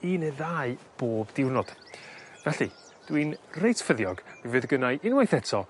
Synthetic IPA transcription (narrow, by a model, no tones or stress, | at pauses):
ineðaːɨb̥oːbdɪwnɔd̥vɛɬḭ | d̥winrejtʰfəðjɔɡ̥mivɨːðɡənaɨʔɪnwajθɛtʰɔ